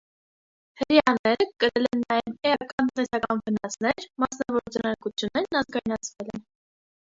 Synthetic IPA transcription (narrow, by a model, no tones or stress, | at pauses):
həɾjɑnɛɾəkəɾɛlɛnːɑjɛvɛɑkɑnt̪ənt̪ɛsɑkɑnvənɑsnɛɾmɑsnɑvɔɾut͡sʰɑnɑɾkut͡sʰjunːɛɾnɑzɡɑjnɑt͡sʰvɛlɛn